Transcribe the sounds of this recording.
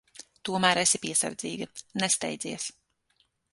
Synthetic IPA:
t̪uɔmæːɾesipiɛsa̰ɾd̪zḭːɡinɛst̪ɛ̰jd̪ziɛs

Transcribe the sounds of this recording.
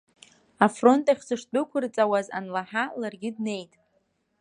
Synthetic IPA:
afro̞ntʼaχʲsɨʂt͡pʷʼʊkʷʰʊrt͡sʼawaza̰nlaħalarɡʲɪdne̞jtʼ

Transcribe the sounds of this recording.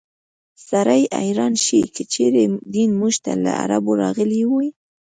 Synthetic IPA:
saɾaja̰jɾɑnʃikʰət͡ʃeɾed̪inmuʒt̪ala̰a̰ɾaboɾɑɣəliwuj

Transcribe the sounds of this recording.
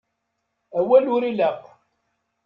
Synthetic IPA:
æwælʊɾiləqː

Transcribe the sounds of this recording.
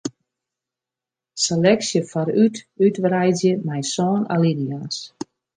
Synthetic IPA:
selɛksjəfaɾytytʋrɛjzjəmɛjsɔːna̰lidias

